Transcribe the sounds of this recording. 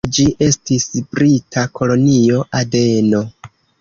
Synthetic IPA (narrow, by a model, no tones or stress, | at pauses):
d͡ʒiʔe̞stisb̥ɾitʰakʰo̞lo̞nio̞ʔade̞no̞